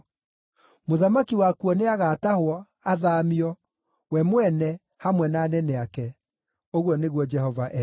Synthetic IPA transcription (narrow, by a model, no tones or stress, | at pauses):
moðamakiwakuɔneaɣaːtahwɔ | aðaːmiɔ | wɛmwɛnɛ | hamwɛnaːnɛnɛakɛ | oɣwɔneɣwɔd͡ʒɛhɔvaʔɛ